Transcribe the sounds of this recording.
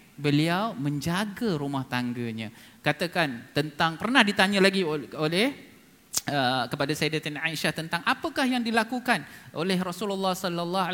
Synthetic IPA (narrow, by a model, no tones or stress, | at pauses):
bəliawmə̃ɲd͡ʒaɡəɾumaht̪aŋɡəɲãkat̪akant̪ənt̪aŋpərnahdit̪aɲãlaɡioolɛh | əkəpadasajdat̪inaiʃaht̪ənt̪aŋʔapəkahjaŋdilakukanʔolɛɦrɔsuləlːɑhsɔlːalːɑ